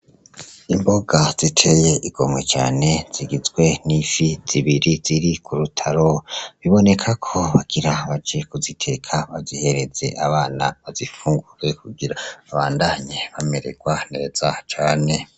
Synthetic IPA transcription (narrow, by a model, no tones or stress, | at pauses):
imbo̞ɡaz̥itʰe̞je̞ʔiɡ̥o̞mŋe̞̰t͡ʃa̰ːne̞z̥iɡizɡwe̞nifiz̥iβiɾiz̥iɾikʰuɾutʰaɾo̞βiβo̞ne̞kʰakʰo̞βaɡ̥iɾaβad͡ʒe̞kuzitʰe̞kʰaβazihe̞ɾe̞ze̞̰ʔaβaːna̰βazifuːŋɡuɾe̞kuɡiɾaβaːndaːɲeβameɾḛɡ̥waneɾez̥at͡ʃaːne̞